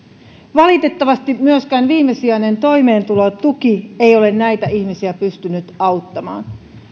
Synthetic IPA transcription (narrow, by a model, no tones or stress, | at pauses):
ʋɑlit̪e̞t̪ːɑʋɑst̪imyøskæːnʋiːmːe̞siɑjne̞nt̪o̞jme̞ːnt̪ulot̪uk̟iejo̞le̞nːæjt̪æiçmisiæpyst̪ynyt̪ɑwt̪ːɑmɑ̰ːn